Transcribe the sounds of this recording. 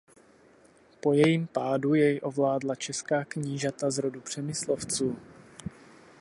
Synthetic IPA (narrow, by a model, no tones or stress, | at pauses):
po̞jɛjiːmpaːdujɛjʔo̞vlaːdlat͡ʃɛskaːkɲiːʒat̪azɾodupr̝̥ɛmɪslo̞ft͡suː